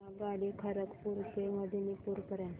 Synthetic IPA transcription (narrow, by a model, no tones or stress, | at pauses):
aɡalikʰəɾəkpuɾkeməd̪ʱinipuɾkəɾã